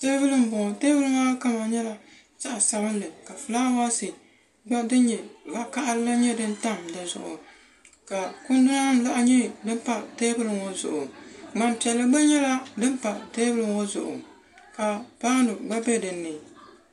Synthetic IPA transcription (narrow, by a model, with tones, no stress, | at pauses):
te˦bɨ˦lɨ˨m˨bʊ˨ŋ˨teː˦vɨ˦lɨ˦ma˦ka˦ma˨ɲɛ˦la˦ | z̥a˦ʔsa˨bɨ˦n˦lɨ˨ka˨fɨ˨laː˦wa˦sɨ˨ | ɡ͡ba˦dɨ˦n˦ɲɛ˨ba˦ka˦ʔa˦lɨ˦la˦ɲɛ˦dɨ˦nta˦˨mda˨zʊ̰˨ʔʊ̰˨ | ka˨kʊ˦ndɨ˦a˦n˦la˦ʔɲɛ˦dɨ˦m˦pa˦teː˦bɨ˦lɨ˨ŋɔ˦zʊ̰˨ʔʊ˨ŋ͡ma˨npi˨ɛ˨lːɨ˨ɡ͡ba˦ɲɛ˦la˦dɨ˦n˦pa˨teː˦bɨ˦lɨ˨ŋɔ˦zʊ̰˨ʔʊ̰˨ | ka˨pa˦ŋ˦nɨ˨ɡ͡ba˦bɛ˦dɨ˨nːɨ˨